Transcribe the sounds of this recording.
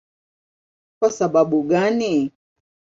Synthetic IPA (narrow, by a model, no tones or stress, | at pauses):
kwasaɓaɓuɠani